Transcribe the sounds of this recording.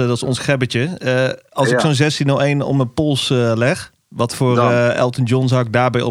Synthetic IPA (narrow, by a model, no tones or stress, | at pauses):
dɔtɪ̥sɔnsxɛbəcə | ɑlˠsɪksonzɛstinɔwejnɔ̰pməpolˠslɛx | ʋɑtfʊːrɛ̰lˠtənd͡ʒɔnsawɪɡ̚daːɹbɛjɔ̰